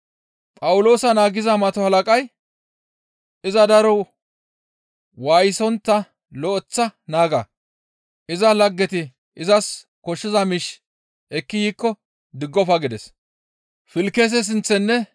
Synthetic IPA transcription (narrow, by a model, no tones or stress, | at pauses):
pʼɐwʊlo̞ːsɐnaːɡɪzɐmɐt̪ɔhɐlɐkʼɐj | ɪzɐd̪ɐɾɔ | waːjɪsɔnt̪ːɐ | lɔʔɔt͡sːɐnaːɡɐ | ʔɪzɐlɐɡːɛt̪ɪ | ʔɪzɐs | kɔʃːɪzɐmɪʃ | ɛkːɪjiːkːɔ | d̪ɪɡːɔfɐɡɪd̪ɛs | fɪlkːɛs̬ɛs̬ɪnt͡sːɛnːɛ